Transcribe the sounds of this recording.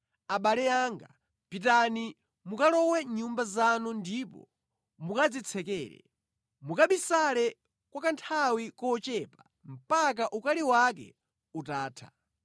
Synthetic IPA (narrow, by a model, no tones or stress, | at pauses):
aɓalɛaŋɡa̰ | pitani | mukalɔwɛɲumbazanundipɔ̰ | mukad͡zit͡sʰɛkɛːɾɛ̰ | mukaɓisalɛ | kwakantʰawikɔːt͡ʃɛpa | m̩pak̬aʔukaliwak̬ɛ̰ | utaːtʰḁ